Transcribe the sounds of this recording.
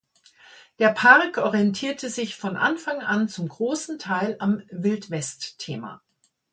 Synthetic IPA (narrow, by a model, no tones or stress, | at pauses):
d̥eːɐpʰaʁkʰʔɔʁiɛntʰiːɐtʰəzɪçfɔnʔa̰nfaŋʔant͡sʊmɡʁoːsn̩tʰaɪlamvɪltv̥ɛstʰːeːma̰ː